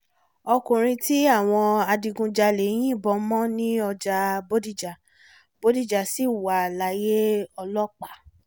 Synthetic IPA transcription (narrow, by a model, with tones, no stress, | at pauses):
ɔ˧kũ˨ɾ̃ĩ˧ti˦a˦˨w̃ɔ̃˧a˧di˧ɡũ˧d͡ʒa˧le˨˦j̃ĩ˦˨bɔ˧mɔ̃˦nĩ˦ɔ˧d͡ʒa˧bo˦di˦d͡ʒa˨ | bo˦di˦d͡ʒa˨si˦˨wa˨la˨˦je˦ɔ˧lɔ˦k͡pa˦˨